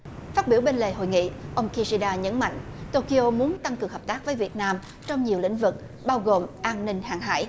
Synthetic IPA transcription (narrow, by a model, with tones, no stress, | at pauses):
faː˦˥t̚ɓi˧˩əwɓe˧nle˨˩ɦo̰˧˨jŋḭ˧˨ʔə˧wŋ͡mki˧zi˧ɗaː˧ɲə̰˧˥nma̰˧˨jŋ̟t̪o˧ki˧ʔo˧mu˨˦ənt̪a˧ŋkɨ˨˩əŋhəː˨˩p̚t̪aː˦˥k̚vəː˨˦jvi˨˩ət̚naː˧m | t͡ɕɔ˧wŋ͡mɲi˨˩əwlḭ̈˧˥ŋ̟vɨ˨˩k̚ | ɓaː˧wɣo˨˩mʔaː˧nnï˧ŋ̟haː˨˩ŋɦa̰ː˧˥j